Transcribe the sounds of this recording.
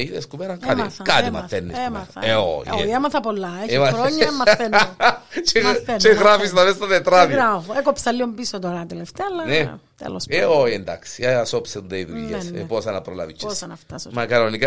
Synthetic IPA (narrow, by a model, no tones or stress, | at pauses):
iðeskumeɾɐkɐt̪ikɐt̪imɐ̰θːenːiskueo̰jḛemɐθɐpolːɐemɐɾoɲːɐmɐθent͡ʃet͡ʃeɣɾafist̪ɐvest̪ɐt̪et̪ɾɐðafoekopsɐlːiombisot̪oɾɐt̪eleft̪eɐlːɐnet̪ḛloseojend̪a̰ksi̥eɐsopseud̪eiðuʎːesseposɐnɐpɾola̰vit͡ʃːnɐft̪ɐsmɐkɐnonika